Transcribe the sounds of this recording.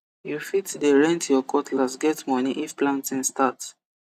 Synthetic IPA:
jufitdeɹɛ̃ntjɔkʰɔtʰlasɡɛtmɔniʔifplãntĩnstats

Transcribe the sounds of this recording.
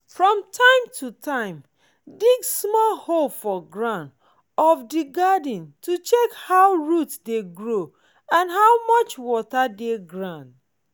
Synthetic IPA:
fɹɔ̃mtʰãɪ̃mtʰutʰãɪ̃m | diɡsmɔlholfɔɡɹãnd | ɔfdiɡad̩ntʰut͡ʃɛkhawɹutdeɡɹo | ãnɦawmʌt͡ʃwɔtadeɡɹãnd

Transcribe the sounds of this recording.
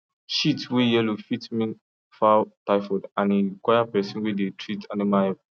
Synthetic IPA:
ʃitwejɛlufitmĩn | fataɪfɔdãnĩkwajapɛsĩnwedetʰɹitʰanimaɛ

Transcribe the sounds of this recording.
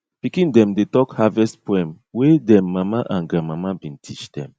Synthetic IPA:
pikĩndɛ̃mdetɔkhavɛstpoɛ̃m | wedɛ̃mːamaʔãnɡãmamabĩntʰit͡ʃd̥ɛ̰̃m

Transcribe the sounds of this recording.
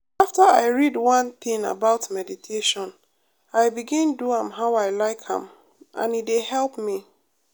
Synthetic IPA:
aftəaɪɹidwʌ̃ntĩŋa̰baʊtmɛditʰeʃɔ̃n | aɪbiɡĩnduãmɦaʊaɪlaɪkhã̰m | ʔã̰nidehɛlˠpmi

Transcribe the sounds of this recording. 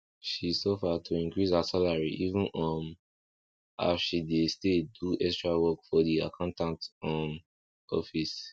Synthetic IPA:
ʃisɔfatʰuĩŋkɹisasalaɹiʔivə̃nɔ̃m | a̰fʃidesteduʔɛstɹawɔkfɔdiakʰãʊ̃ntãntɔm | ɔfis

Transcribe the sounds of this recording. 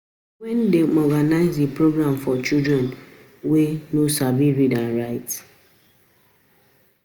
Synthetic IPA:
wɛndemɔɡanaɪzepɾoɡɾãmfɔt͡ʃidɾɛ̃n | wenosabiɾidãnɹaɪt

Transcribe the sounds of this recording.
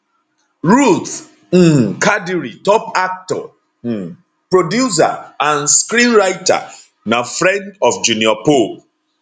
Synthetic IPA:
ɹut̪̩ | kʰadiɹitɔpak̚tɔ̰ | pɹodjus̬a̰ãnskɾĩnɹajta̰ | nafɾɛ̃ndɔfd͡ʒuniɔpol

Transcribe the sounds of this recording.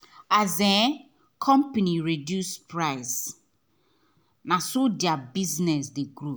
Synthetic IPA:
azɛ̃ | kʰɔ̃mpaniɹedjuspɹaɪs | nãsodjabiznɛsdeɡɾu

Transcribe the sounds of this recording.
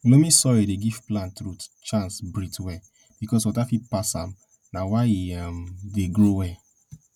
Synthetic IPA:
nomĩsɔɹideɡiv̥plãntɹutt͡ʃãnsbɹitwɛ | b̥ikɔswɔtafipasãm | nawaiamdeɡɹowɛ

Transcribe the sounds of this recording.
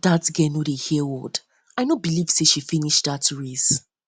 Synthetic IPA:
datɡɛnodehiwɔd | aɪnobiliv̥seʃifĩniʃtdatɹis

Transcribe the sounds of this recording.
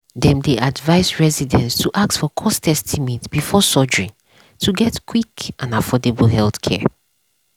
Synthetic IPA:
dɛ̃mdeʔadvaɪzɹɛzidɛ̃nstʰuʔak̚tfɔkʰɔstʰɛstʰimɛ̃tb̥ifɔsɔd͡ʒɹĩn | tʰuɡɛtkʰwikʔãnafɔdebl̩ɦɛlθkʰɛ̰

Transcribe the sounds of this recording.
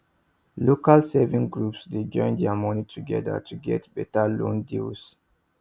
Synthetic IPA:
lokalsɛvĩŋɡɹupsded͡ʒɔ̃ɪ̃ndɛamɔnitʰuɡɛ̰da̰tʰuɡɛtb̥ɛtalõ̰ndils

